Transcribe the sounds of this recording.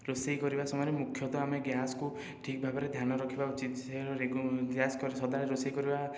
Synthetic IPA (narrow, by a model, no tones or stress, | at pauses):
ɾosejkɔɾibasɔmɔjɔɾemukʰjɔt̪ɔameɡjasɔku | ʈʰik̚bʱabɔɾed̪ʱjanɔɾɔkʰibaut͡ʃit̪seɔɾeɡjaskɔɾesɔd̪aɽeɾosejkɔɾiba